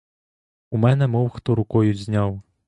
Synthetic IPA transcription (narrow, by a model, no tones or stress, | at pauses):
umɛnɛmɔwxt̪ɔɾukɔjud͡zʲzʲnʲaw